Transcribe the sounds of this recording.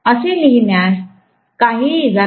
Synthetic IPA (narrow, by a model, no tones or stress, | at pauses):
əseliɦinjas | kaɦiːd͡zʱa